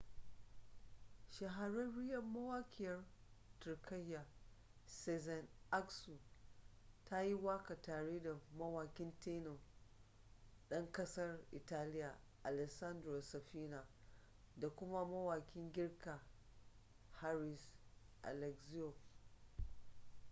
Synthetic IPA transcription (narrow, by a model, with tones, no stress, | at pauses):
ʃɐ˨ɦa˨ɾɐ˦nɽɪ˦jɐ˨mːɐ˦waː˦kʲʰɪ˨jɐ˦rtʊ˨rkʰɐ˦jːa˨ | sɛ˦zɐ˨nʔa˦ksu˨ | tʰa˦ji˦waː˦ka˨taː˨ɽeː˦da˨mɐ˦waː˨kʲɪ˦nteː˦no˨ | ɗɐ˦ŋkɐ˦sɐ˦rʔɪ˨taː˦lɪ˦ja˨ | ʔa˨lɛ˨sɐ˦ndɾo˨sɐ˨ɸiː˦na˨ | da˨kʷʊ˦ma˦mɐ˦waː˨kʲɪ˦ŋɡʲɪ˦rka˨ | ha˦ɾɪ˨s | ʔa̰˨lɛ˨kzi˦jo˨